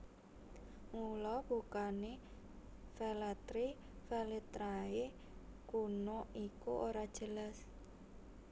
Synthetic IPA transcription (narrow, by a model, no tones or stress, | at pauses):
ŋulɔbukane | felat̪ɾi | fɛlet̪ɾae | kunoikuʔoɾad̥ʒ̥əlas